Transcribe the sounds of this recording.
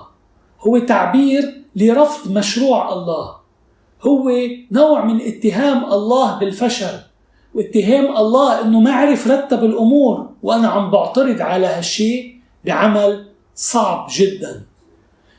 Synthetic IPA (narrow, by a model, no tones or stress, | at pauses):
hʊwːet̪aʕbiːɾliɾˤɑfd̪ˤmaʃɾuːʕʔɑlˤːɑːh | hʊwːenowʕmɪnʔɪt̪ːɪɦaːmʔɑlˤːɑːhbɪlfaʃaɾ | wʔɪt̪ːɪɦaːmʔɑlˤːɑːhʔɪnːomaaʕɾɪfɾˤɑt̪ːabɪlʔʊmuːɾwʔanaʕambʊʕt̪ɑɾɨd̪ʕalahaʃːiːʔ | biʕamal | sˤɑʕbʒɪd̪ːan